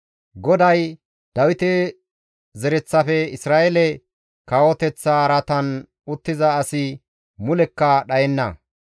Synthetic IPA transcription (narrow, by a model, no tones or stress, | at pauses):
ɡɔd̪ɐj | d̪̥ɐwɪt̪ɛ | zɛɾɛt͡sːɐfɛɪsɾaːʔɛlɛ | kawɔt̪ɛt͡sːɐɾɐt̪ɐn | ʊt̪ːɪzɐːsɪ | mʊlɛkːɐɗɐjɛnːɐ̰